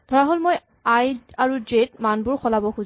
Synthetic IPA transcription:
d̥ʱɔɹaɦolmoj | ajaɹudɹetmanbʊɹxɔlabɔxuz

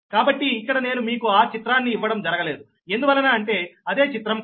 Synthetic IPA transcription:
kaːbɐʈːiːkːɐɽɐne̞ːnumiːkuaːt͡ʃit̪ɾaːnːiːʋːɐɽɐmd͡ʒɐɾɐɡɐle̞ːd̪u | e̞nd̪uʋɐlːɐnaːɐɳʈe̞ːɐd̪e̞ːt͡ʃit̪ɾɐm

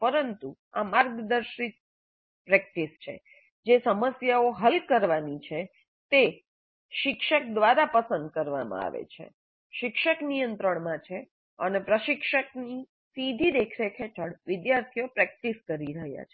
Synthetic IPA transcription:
pəɾənt̪u | amaɾɡəd̪əɾʃit̪̚ | pɾɛk̚ʈist͡ʃʰḛ | d͡ʒesəməsjaoɦəlkəɾʋanit͡ʃʰe | t̪e | ʃɪkʃək̚d̪ʋaɾapəsənd̪kəɾʋa̰mã̰a̰ʋḛt͡ʃʰḛ | ʃɪkʃəknijənt̪ɾəɳmãt͡ʃʰe | ənepɾəʃɪkʃəkni | sid̪ʱid̪ekʰɾekʰet͡ʃʰəɽʋɪd̪jaɾt̪ʰijopɾɛk̚ʈiskəɾiɾəɦja̰t͡ʃʰe̥

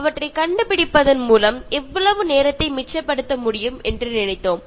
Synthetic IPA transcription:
ɐʋɐʈrɐɪkɐɳɖɯpɪɽɪpːɐðɐnmuːlɐmɛʋːɐɭɐʋɯneːɾɐt̪ːɐɪmɪt͡ʃːɐpːɐɽɯt̪ːɐmʊɽɪjɯmɛndrɯnɪnɐɪt̪ːoːm

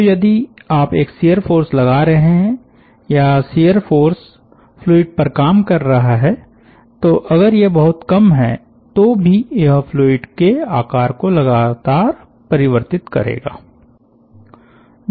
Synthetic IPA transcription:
jɐd̪iaːpeːksijəɾfoːɾslɐɡaɾɐɦeɦɛ̃ | jasiːjəɾfoːɾs | ploːɪɖ̚pɐɾkaːmkɐɾːɐɦaɦɛ | t̪oʔɐɣəɾjebɐɦʊt̪kɐmɦɛ | t̪obʱijɦpʰloːɪɖkeaːkaːɾkolɐɡaːt̪aːɾ | pɐɾɪʋəɾt̪ɪt̪kɐ̰ɾḛːɡa̰ː

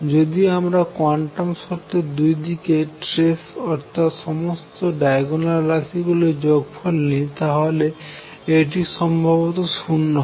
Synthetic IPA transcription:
d͡ʑod̪iamɾakwaɳʈamʃɔɾt̪ed̪ujd̪ikeʈɾesɔɾt̪ʰat̪ʃɔmost̪oɖajɡonaɾːat̪ʰiɡuled͡ʑoɡpʰɔlnit̪aɦole | eʈ̬iʃɔmbʱabot̪oʃunːɔ

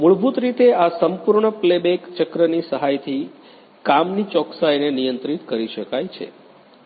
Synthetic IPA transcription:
muɭbʱut̪ɾit̪easəmpuɾɳəplebekt͡ʃəkɾənisəɦajt̪ʰi | kamnit͡ʃɔksajnenijənt̪ɾit̪kəɾiʃəkajt͡ʃʰḛ

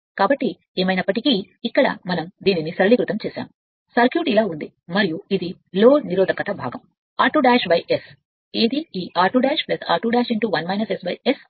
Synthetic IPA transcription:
kaːbɐʈːi | eːmɐjnɐpːɐʈikiː | kːɐɽɐ̰mɐnɐmd̪iːninisɐɾɐɭiɡɾut̪ɐmt͡ʃɛːsa̰ːmu | sɐɾkjuːʈilaːund̪i | mɐɾijuid̪i | loːɾniɾɔːd̪ɐkɐt̪ɐbʱaːɡɐm | aːʈuːɖaːʃbɐjʔes | eːd̪iiːʔaːʈuːɖaːʃplɐsa̰ːʈuːɖaːʃiɳʈuːʋɐnmɐjnɐsesbɐjes

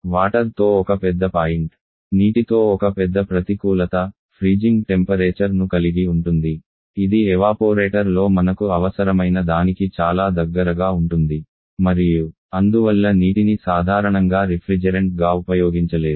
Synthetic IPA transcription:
ʋaːʈɐɾt̪o̞ːɔkɐpɛd̪ːɐpaːjɳʈ | niːʈit̪o̞ːɔkɐpɛd̪ːɐpɾɐt̪ikuːlɐt̪ɐ | pʰɾiːd͡ʒiŋɡʈempɐɾeːt͡ʃɐɾnukɐliɡiuɳʈund̪i | id̪iɛʋaːpoːɾeːʈɐɾlo̞ːmɐnɐkuɐʋɐsɐɾɐmɐjnɐd̪aːnikit͡ʃaːlaːd̪ɐɡːɐɾɐɡaːuɳʈund̪i | mɐɾiju | ɐnd̪uʋɐlːɐniːʈinisaːd̪ʱaːɾɐɳɐŋɡaːɾipʰɾid͡ʒɐɾeɳʈ̚ɡaːupɐjoːɡiɲt͡ʃɐle̞ːɾu

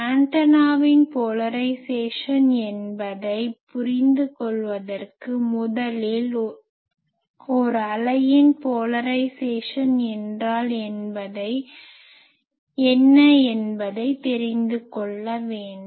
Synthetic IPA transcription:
kaːɳʈɐnaːʋɪnpoːlɐɾɐɪseːʂɐnɛnbɐðɐɪpʊɾɪnd̪ɯkɔɭʋɐðɐrkɯmʊðɐlɪl | ɔɾɯɐlɐjɪnpoːlɐɾɐɪseːʂɐnɛndraːlɛnbɐðɐɪ | ɛnːɐɛnbɐðɐɪt̪ɛɾɪnd̪ɯkɔɭːɐʋeːɳɖ

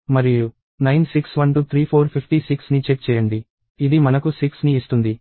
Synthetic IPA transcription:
mɐɾiju | nɐjnsiksʋɐnʈut̪ʰɾiːpʰoːɾpʰipʰʈisiksnit͡ʃeʈ̚t͡ʃɛːjɐɳɖi | id̪imɐnɐkusiksniːst̪und̪i

